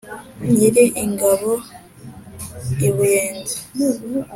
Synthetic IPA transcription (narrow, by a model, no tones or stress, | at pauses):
jiɾiʔiŋɡaβo | iβujeːnzi̥